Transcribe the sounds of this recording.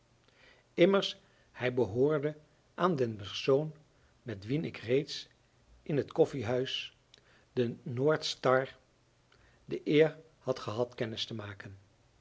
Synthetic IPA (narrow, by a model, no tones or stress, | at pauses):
ɪməɹs | hɛjbəɦʊːɹdə | ʔaːndənpɛɹsown | mɛtʋinɪkrejts | ʔɪnɦətkɔfiɦœɥs | d̥ənoːɹtstɑɹ | dəʔɪːɹ | hɑtχəɦɑtkɛnɪstəmaːkən